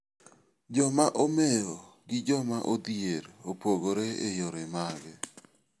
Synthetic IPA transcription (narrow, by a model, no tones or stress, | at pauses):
d͡ʒɔmaʔomejoɡɪd͡ʒɔmaʔod̪ieɾopoɡoɾeḛjoɾemaɡɛ